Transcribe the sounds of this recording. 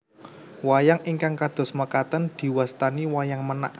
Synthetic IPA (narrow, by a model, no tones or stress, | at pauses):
wajaŋʔiŋkaŋkad̪̥ɔ̤sməkat̪ənd̪̥i̤wast̪aniwajaŋməna̰ʔ